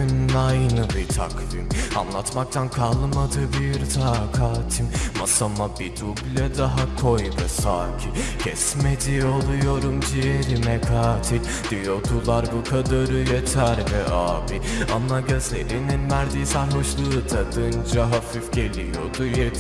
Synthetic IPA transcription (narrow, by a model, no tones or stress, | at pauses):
nnajnɯbit̪ʰa̰kvima̰nlˠat̪mak̚t̪ʰankʰalˠmad̪ɯbiɾt̪ʰakʰaːt̪ʰimmasamabid̪ublʲɛd̪aɦakʰojd̪asaːcʰicʰɛsmed͡ʒiolˠujo̞ɾumd͡ʒieɾimɛkʰaːt̪ʰi | d̪̥ijo̞d̪ʰulˠaɾbukʰad̪aɾɯjet̪ʰæɾvɛʔaːvianːaɟøzelininvæɾd̪iːsæɾɦoʃlˠɯt̪ʰad̪ɯnd͡ʒaɦafifɟe̞lʲijo̞̰d̪uje